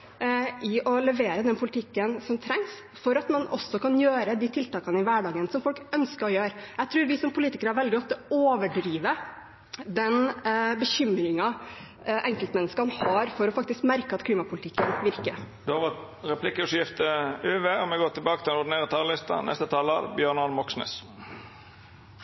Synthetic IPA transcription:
ʔɪʔɔlɛʋeːɾəd̪ɛnpʰʊlɪt̪ʰɪkːənsɔmt̪ʰɾɛŋs | fɔɾɑt̪mɑnʔɔsːɔkɑnjøːɾəd̪iːt̪ʰɪlt̪ɑːkɑnəɪʋæɖɑːɡənsɔmfɔlkœnskəɾɔjøːɾjæɪt̪ʰɾʉːɾʋɪsɔmpʰʊliːt̪ɪkəɾəhɑɾʋɛld̪ɪɔt̪ːəoːʋəɖɾiːʋə | d̪ɛnbəçʏmɾɪŋɑ | ʔɛŋkəlt̪mɛnːəskɑnhɑɾfɔɾɔfɑk̚t̪ɪskmæɾkəɑt̪kʰliːmɑpʰʊlɪt̪ʰɪkːənʋɪɾkə | d̪ʉɑʋə | ɾɛpʰlɪkəʉʂjɪft̪əʉːʋeːɔmɛɡoːt̪ʰɪlbɑːkət̪ʰɪlnʊd̪neːʁət̪ʰɑllɪst̪ɑ̰nɛ̰st̪ət̪ʰɑlə̰bjøːɳɑnmɔksnɛ̰s

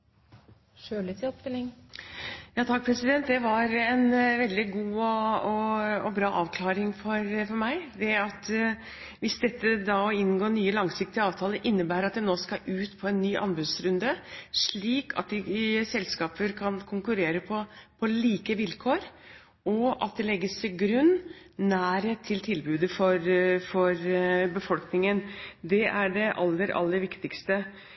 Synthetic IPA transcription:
ʂøːlɪt̪ʰɪɔpd̪ɪlɪŋ | jɑːt̪ʰɑk̚ːpʰɾɛsɪd̪ɛnt̪d̪ɛʋɑɾɛnʋɛld̪ɪɡuːɔɔɔbɾɑːʔɑːʋkʰlɑːɾɪŋfɔɾfɔɾmæɪd̪ɛɑt̪ | ʋɪsd̪ɛt̪ːəd̪ɑɪnːɡoːɳyːəlɑŋsɪk̚t̪ɪɑːʋt̪ʰɑːləʔɪnːəbæːɾɑt̪̚d̪ɛnoːskɑʔʉːt̪pʰɔɛnːyːʔɑ̰nbʉd̪sɾʉnd̪əʂɭiːkʰɑ̰t̪̚d̪ɪsɛlskɑːpəɾkʰɑnkʰʊŋkʉɾeːɾəpʰɔpʰɔliːkəʋɪlkʰoːɾ | ɔʔɑ̰t̪̚d̪ɛlɛɡːəst̪ʰɪlɡɾʉnːnæːɾheːt̪ʰːɪlt̪ʰɪlbʉːd̪əfɔɾfɔɾbəfɔlknɪŋənd̪ɛʔæɖɛʔɑ̰lːəɾɑ̰lːəɾʋɪkt̪ɪkst̪ə

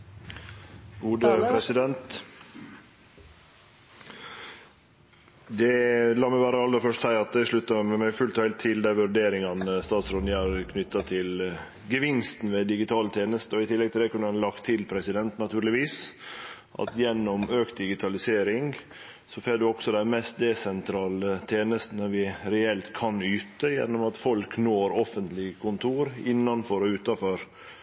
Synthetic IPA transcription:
ɡuːd̪əpʰɾɛsɪd̪ɛnt̪ | d̪ɛlɑːmɛɪʋæːɾəɑlːəɾfœʂtsæɪɑt̪ɪʂɭʉt̪ːɑmmæɪfʉlt̪ɑhæɪlt̪ʰːɪld̪æʋʉɾɖeːɾɪŋɑnst̪ɑːt̪sɾoːd̪næɾkʰnʏt̪ːɑt̪ʰɪl | ɡəʋɪnst̪n̩ʋɛd̪ɪɡɪt̪ʰɑːlət̪ʰeːnəst̪ɔɪt̪ʰɪlːɛɡt̪ʰɪld̪æɛkʉnːəɛnlɑkt̪ʰːɪlpʰɾɛsɪd̪ɛnt̪nɑt̪ʰʉːɾlɪʋiːs | ʔɑ̰t̪jɛnːɔmøːkt̪̚d̪ɪɡɪt̪ʰɑlɪseːɾɪŋ | sɔfeːɖ̪ʉɔksɔd̪ænmɛst̪̚d̪ɛsɛnt̪ʰɾɑːlət̪ʰeːnəst̪nəʋɪɾɛɛlt̪kʰɑnyːt̪əjɛ̰nːɔmɑt̪fɔlknoːɾɔfənt̪lɪkʰʊnt̪ʰuːɾɪnːɑnfɔɾɔʉːt̪ɑfɔɾ

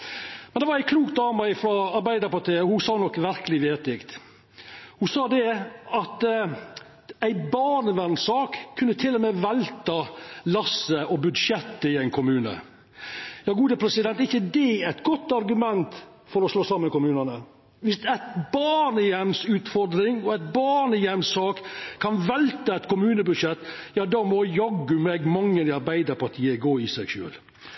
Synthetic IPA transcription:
mɛnd̪ɛʋɑɾæɪkʰluːkt̪̚d̪ɑːməɪfɾɔɑɾbæɪd̪ɑpɑt̪iːəhʊsɑːnɔkːʋæɾkəlɪʋeːt̪ɪkt̪ | hʊsɑːd̪ɛɑt̪ | æɪbɑːɳəʋænsɑːkʰːʉnːət̪ʰɪlɔmɛʋɛlt̪ɑlɑsːəʔɔbʉd̪ʂjɛt̪ːəɪæɪnkʰʊmʉːnə̰ | jɑːɡuːd̪əpʰɾɛsɪd̪ɛnt̪ɪçːəd̪ɛæt̪ɡɔt̪ːɑɾɡʉmɛnt̪ | fɔɾɔsloːsɑməmkʊmʉːnɑnə | ʋɪst̪ɛt̪bɑːɳəjɛmsʉːt̪fɔɾd̪ɾɪŋɔæt̪̚bɑɳəjɛmsɑːkkʰːɑnʋɛlt̪əɛt̪kʊmʉːnəbʉd̪ʂjɛt̪ːjɑːd̪ɑːmɔjɔɡʉmɛɡmɑŋːəɪɑɾbæɪd̪əɾpɑʈ̪ʰiːəɡoːɪsɛɡʃø̰ːl

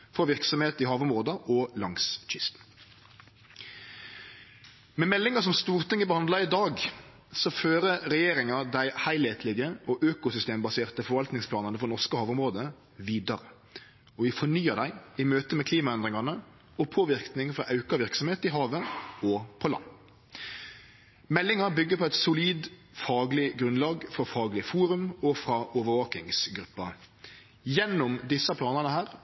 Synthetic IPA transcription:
fɔʋɪɾksɔmheːt̪ɪhɑːʋʊmʁoːd̪əʔɔlɑŋsc͡çɪst̪ | mɛmɛlːɪŋɑs̬ɔmst̪uːɾt̪ʰɪŋːəbəhɑnd̪lɑɪd̪ɑːɡ | sɔføːɾəɾɛjeːɾɪŋɑd̪æɪhæɪlheːt̪ʰlɪɡəʔɔʔøːkʊsʏst̪eːmbɑseːʁt̪əfɔɾʋɑlt̪nɪŋspʰlɑːnənəfɔnɔʁskəhɑːʋʊmʁoːd̪ə | ʋiːd̪ɑɾə | ɔʋɪfɔɳyːəd̪æɪɪmøːt̪əmɛkʰliːmɑɛnd̪ʁɪŋɑnə | ɔpʰoːʋɪʁknɪŋfɾɑʔɑʉkɑʋɪɾksɔmheːt̪ɪɦɑːʋəɔpʰɔlɑ̰nː | mɛlːɪŋɑbʏɡːəpʰɔɛɪt̪sʊliːd̪ | fɑːɡlɪɡɾʉnlɑːɡfɔfɑːɡlɪfuːɾʉmɔfʁɑʔɔːʋəʋɑːkɪŋsɡɾʉpːɑ | jɛnːʊmd̪ɪsːɑpʰlɑːnənəhæːʁ

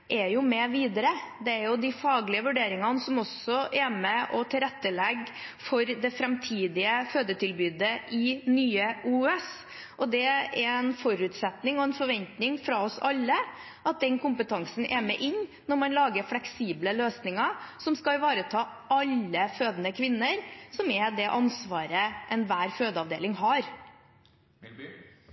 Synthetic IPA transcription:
ʔɛɾjʊmɛʋiːd̪əɾəd̪ɛæɾjʊd̪ɪfɑːɡlɪəʋʉɖeːɾɪŋɑnəsɔmɔsɔʔɛɾmɛʔɔt̪ʰɪlɾɛt̪ːəlɛɡ | fɔɾd̪ɛfɾɛmt̪ʰiːd̪ɪəføːd̪əʈʰɪlbyːd̪əɪnyːəuːɛs | ʔɔd̪ɛɛɾɛnfɔɾʉːt̪sɛt̪nɪŋɔɛnfɔɾʋɛnt̪nɪŋfɾɑɔsɑlːə | ɑt̪̚d̪ɛnkʊmpət̪ʰɑŋsən̩ʔɛmɛʔɪɲːnɔɾmɑnlɑːɡəɾflɛksiːbləløːsnɪŋɑsɔmskɑɪʋɑːɾət̪ʰɑː | ɑlːəføːd̪ənəkʰʋɪnːəɾsɔmɛd̪ɛʔɑnsʋɑːɾəʔɛnʋæːɾføːd̪əɑʋd̪ḛːlɪŋɦɑɾ

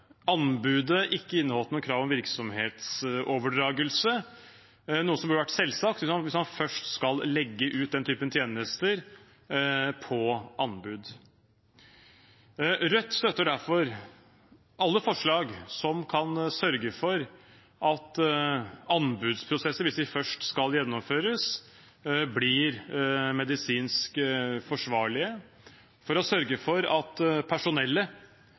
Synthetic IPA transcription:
ɑnbʉːd̪əʔɪkːəɪnːəhɔlənuːnkʰɾɑːʋɔmʋɪɾksɔmheːt̪soːʋəɖɾɑːɡəlsə | nuːəsɔmbøːɖəʋæʈːsɛlːsɑk̚t̪ʋɪsmɑʋɪsmɑnfœʂʈskɑllɛɡːəʔʉːt̪̚d̪ɛnt̪ʰyːpənt̪ʰjeːnəst̪əɾ | pʰɔɑnbʉːd̪ | ɾœt̪ːst̪œt̪ːəɖæɾfɔɾ | ʔɑlːəfɔʂɭɑːɡsɔmkʰɑnsœɾɡəfɔɾ | ʔɑt̪ | ɑnbʉːd̪spʰɾʊsɛsːəʋɪsd̪ɪfœʂʈskɑljɛnːɔmføːɾəs | blɪɾmɛd̪ɪsiːnskfɔʂʋɑːɭɪə | fɔɾɔsœɾɡəfɔɾɑt̪pʰæʂʊnɛlːə

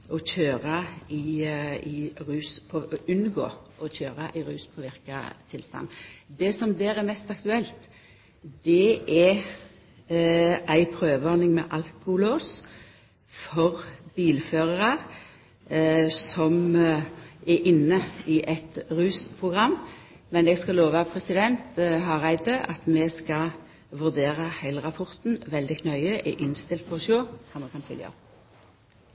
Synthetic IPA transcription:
ɔçøːʁɑɪɪɾʉːspʰɔʉnɡo̰ːʔɔçøːɾɑʔɪɾʉːspʰɔʋɪʁkɑ̰t̪ʰɪlst̪ɑ̰nːd̪ɛsɔmd̪eːʁɛɾmɛst̪ɑkt̪ʉɛlt̪ | d̪̥ɛʔɛ | æɪpʰɾøːʋəɔɾnɪŋmɛ̰ʔɑlkʊloːs | fɔʁb̥iːlføːʁəʁɑ | sɔm | ɛʔɪnːəɪʔɛt̪ʁʉːspʰʁʊɡʁɑmː | mɛnɛɡskɑloːʋəɑpʰɾɛsɪd̪ɛnt̪ɦɑʁæɪd̪əɑt̪mɛskɑ | ʋʉʁd̪eːʁəhæɪləʁɑpʰɔʁt̪n̩ʋɛld̪ɪkʰnœʏəʔɛʔɪnst̪ɪlt̪̚pʰɔɔʃoːsɑmɑkʰɑnfʏ̰ljə̰ɑ̰p

